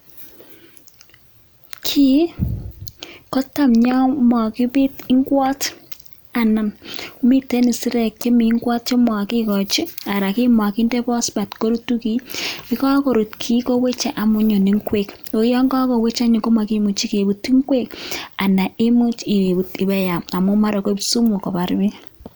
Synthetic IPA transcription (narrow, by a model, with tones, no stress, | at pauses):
kʰi˦ | ko˦ta˦mɲɔ˦mɔ˨kɪ˦bɪ˦ti˦ŋɡwɔ˦t | a˨na˨m˦mi˦te˦ni˨si˦ɾɛ˨kt͡ʃi˦mi˨˦ŋɡwɔ˦t̚t͡ʃi˦mɔ˨ki˦kɔ˨t͡ʃi˦a˨ɾa˨ki˦ma˨kɪ˦nde˦pɔ˦sba˨tko˦ɾu˦tu˦ki˦ɪ˦kɔ˦ko˨ɾu˨tkʰi˦ko˦we˦t͡ʃa˨ʔa˨mʊ˨˦ɲo˨ni˨˦ŋkwe˦˨ko˨˦jɔ˦ŋɡɔ˦kɔ˨we˦t͡ʃa˦ɲo˨ko˦ma˨ki˦mu˨t͡ʃi˦ke˨bu˨ti˦ŋkwe˦ka˨na˨i˦mu˦t͡ʃi˨e˨bu˨ti˨bɛ˦ja˨ma˨mʊ˦ma˦ɾo˨ko˦bsu˦mo˨kɔ˨pa˨ɾbe˦